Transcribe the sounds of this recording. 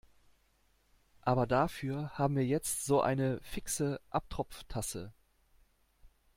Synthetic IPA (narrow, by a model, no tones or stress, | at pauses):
ʔaːbɐdafyːɐhaːbm̩viːɐjɛt͡stz̥oːʔa̰ɪnəfɪksəʔap̚tʁ̥ɔp͡ftʰasə̰